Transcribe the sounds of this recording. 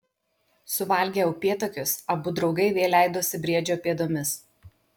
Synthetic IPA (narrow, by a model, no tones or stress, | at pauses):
sʊʋɐˑlʲɡʲeːjʊpʲeːt̪oːkʲʊsɐbʊd̪ɾɒʊɡɐɪʋʲeːlʲæˑɪd̪oːsʲɪbʲɾʲiɛd͡ʒʲoːpʲeːd̪oːmʲɪs